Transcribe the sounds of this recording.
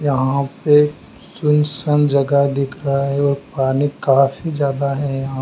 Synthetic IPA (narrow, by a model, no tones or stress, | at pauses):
jɐɦãpe | sʊnsənd͡ʒɐɡad̪ɪkʰɾɐɦaɦɛɔːɾpaːnikaːfizjaːd̪aɦɛjɐɦã